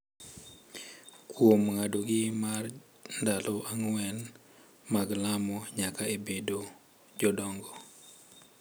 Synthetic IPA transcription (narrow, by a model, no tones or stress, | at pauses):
kwomŋadoɡɪmar | ndaloʔaŋwɛn | maɡlamɔɲakaebedo | d͡ʒɔdɔŋɡɔ